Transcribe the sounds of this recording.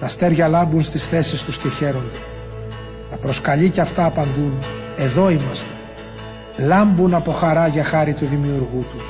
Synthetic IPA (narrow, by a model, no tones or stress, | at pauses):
t̪ɐst̪e̞ɾʝɐlɐmbunst̪isθe̞sist̪usce̞çe̞ɾo̞nd̪e | t̪ɐpɾo̞skɐʎiceɐft̪ɐːpɐnd̪un | e̞ðo̞imɐst̪e̞̥ | lɐmbunɐpo̞xɐɾɐʝɐxɐɾit̪uðimiuɾɣut̪us